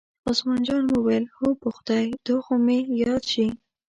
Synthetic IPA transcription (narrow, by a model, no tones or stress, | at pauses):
ɑsmɑnd͡ʒɑnwəwalhopʊxʊd̪ajd̪̥oxomejɑd̪ʃi